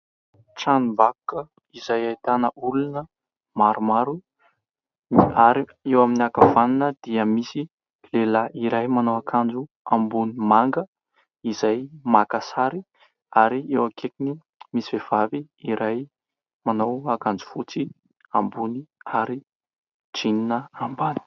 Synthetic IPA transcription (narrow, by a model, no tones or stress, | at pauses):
ʈ͡ʂanimbakukə | izajajt̪anəʔulunə | maɾumaɾu | niaɾiewaminakav̥aninəd̪̥iəmisi | lelaʔiɾajmanawakʰand͡ʒu | ambunimaŋɡə | izajmakasaɾi | aɾiewakʰekini | misiv̥ev̥avi | iɾaj | manawakand͡zu̥fut͡si | ambuniaɾi | d͡ʒininəambani̥